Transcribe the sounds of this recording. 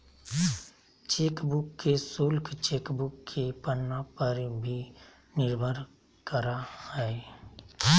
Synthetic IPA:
t͡ʃeːkbʊkːesulkʰt͡ʃeːkbʊkːʰepənːapəɾbʱi | nɪɾbʱəɾ | kəɾahɛe

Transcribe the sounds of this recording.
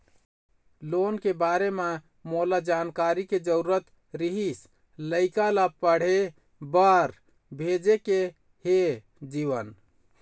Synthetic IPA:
lonkebaɾeme | molad͡ʒankaɾiked͡ʒəɾuɾət̪ | ɾiɦis | ləɪkalapəɽ̤e | bəɾ | bʱed͡ʒeke | he | d͡ʒiʋən

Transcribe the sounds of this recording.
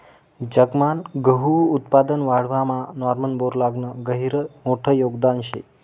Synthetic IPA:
d͡ʑəɡmanɡəɦuut̪̚pad̪ənʋaɽ̤ʋamãnɔɾmənboɾlaɡnəɡəɦiɾəmoʈʰəjoɡd̪anɕḛ

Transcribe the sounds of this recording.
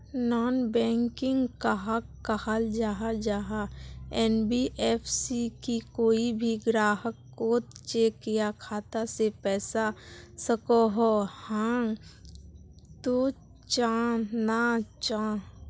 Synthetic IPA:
nɔːnbɛ̃ːŋkɪ̃ŋɡkaɦakːəhald͡ʒaːɦad͡ʒaːɦaɛːnbiʔɛːpʰsikikoːibʱiɡɾaːɦəkːoːt̪t͡ʃekijakʰaːt̪asepɛːsasəkoɦohãː | t̪o | t͡ʃaːnat͡ʃaː

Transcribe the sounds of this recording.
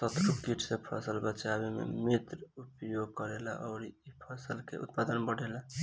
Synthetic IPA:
sət̪ɾukiʈʰsepʰəsəlbət͡ʃabemḛmet̪ɾupjoɡkɔɾela̰ʔɔʊɾiipʰəsəlkḛʔṵt̪̚pad̪ənbəɽ̤ʱela

